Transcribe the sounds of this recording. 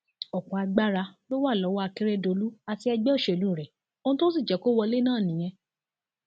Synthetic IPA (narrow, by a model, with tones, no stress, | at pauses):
ɔ˨k͡pɔ̃˨a˧ɡ͡ba˦ɾa˧lo˦wa˦˨lɔ˨˦wɔ˦a˧ki˦ɾɛ˦˨do˨˧lu˦a˧ti˧˦ɛ˧ɡ͡bɛ˦o˦˨ʃɛ˨lu˦˨ɾɛ˨ | o˦nũ˦to˦s̬i˦˨d͡ʒɛ˨˦ko˦wɔ˧le˦nãː˦˨nĩ˨˦j̃ɛ̃˧